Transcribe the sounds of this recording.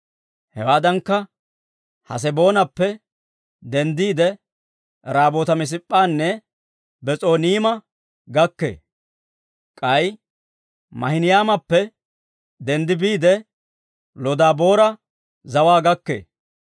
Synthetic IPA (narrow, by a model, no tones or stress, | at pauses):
hɛwaːd̪ɐŋkːɐ | hɐ̰s̬ɛbo̞ːnɐpːɛ | d̪ɛnd̪iːd̪ɛ | ɾaːboːt̪ɐmɪs̬ɪpʼːaːnːɛ | bɛt͡sʼo̞ːniːmɐ | ɡɐkːḛː | kʼɐj | mɐ̰hɪnɪjaːmɐpːɛ | d̪ɛnd̪ɪbiːd̪ɛ | lɔd̪aːbo̞ːɾɐ | zɐwaːɡɐkːḛː